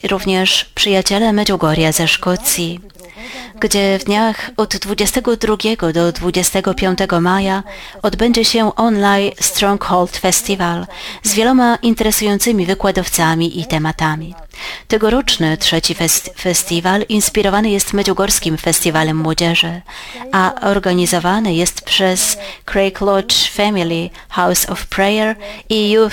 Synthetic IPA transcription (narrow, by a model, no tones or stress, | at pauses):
ɾuvɲɛʂpʂɘjat͡ɕɛlɛmɛd͡ʑuɡɔɾʲjazɛʂkɔt̪sʲji | ɡd͡ʑɛvd̪ɲaxɔd̪ːvud͡ʑɛst̪ɛɡɔd̪ɾuɡʲɛɡɔd̪ɔd̪vud͡ʑɛst̪ɛɡɔpʲjɔ̃nt̪ɛɡɔmajaɔd̪bɛɲd͡ʑɛɕɛʔɔnlajst̪ɾɔŋkxɔlt̪fɛst̪ʲivalzvʲjɛlɔmaʔint̪ɛɾɛsujɔnt̪sɘmʲivɘkwad̪ɔft̪samʲiʔit̪ɛmat̪amʲi | t̪ɛɡɔɾɔt͡ʂnɘtʂɛt͡ɕifɛfɛst̪ʲivalinspʲiɾɔvanɘjɛst̪mɛd͡ʑɔɡɔɾskʲimfɛst̪ʲivalɛmːwɔd͡ʑɛʐɘʔaɔɾɡaɲizɔvanɘjɛst̪pʂɛskɾɛjklɔt͡ʂfamʲilʲi | xawsɔfpɾɛjɛɾiju